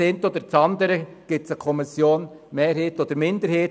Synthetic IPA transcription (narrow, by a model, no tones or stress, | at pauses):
ɪnt̪ɔd̪əɾt͡sɑnd̪əɾə | ɡ̥ɪtsəkʰɔmɪsjoːn | meːɾɦeːtɔd̪əɾmɪnd̪əɾheːt